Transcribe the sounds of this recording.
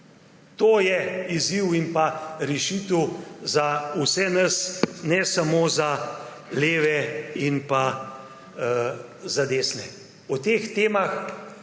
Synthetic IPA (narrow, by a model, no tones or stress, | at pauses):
t̪oːjɛiziwimpaɾɛʃiːt̪əwzausɛnəsnɛsamoːza | leːʋɛinpa | zad̪eːsnɛ | ut̪eːxt̪eːmax